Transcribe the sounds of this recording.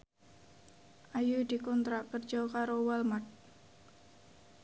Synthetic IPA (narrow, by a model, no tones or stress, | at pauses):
ʔajud̪i̤kɔnt̪ɾaʔpərd͡ʒɔkaɾowalmat̪̚